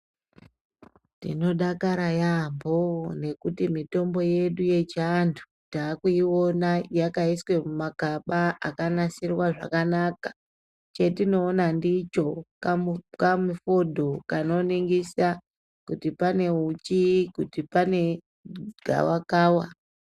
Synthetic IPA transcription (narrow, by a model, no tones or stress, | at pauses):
tḭno̞ɗakaɾajambo̞ne̞kutimito̞mbo̞je̞ɗuje̞t͡ʃantʰu̥ | taːkuiwo̞najakaiswe̞mumakaɓaakanasirwaʐa̰kanakḁ | t͡ʃe̞tino̞ːnandit͡ʃo̞kkamufo̞dʱo̞kano̞niŋɡisa | kutipane̞ut͡ʃikutipane̞ | ɡʱa̰wakaːwa